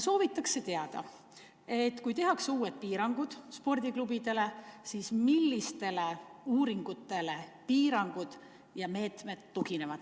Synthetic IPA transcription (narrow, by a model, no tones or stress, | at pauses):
so̞ːvit̪ːˑɑkse̞t̪e̞ɑd̪̥ɑ̰ | e̞t̪ːkujt̪e̞ɦɑksuːed̪̥̚piːɾɑŋɡ̥ud̪̥spo̞rd̪̥ʲiklubid̪̥e̞lesiːsmilːist̪e̞le̞uːɾiŋɡ̥ut̪ːˑe̞le̞piːɾɑŋɡ̥ud̪̥ | jɑme̞ːt̪me̞t̪ːukine̞vɑd̪̥